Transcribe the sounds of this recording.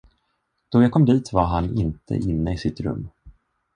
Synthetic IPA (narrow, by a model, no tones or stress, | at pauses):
d̪̥ɔjakʰɔmːd̪iːt̪vaɾɦanɪnt̪ʰə̰ʔɪnːəɪsɪt̪ɾɵ̰mː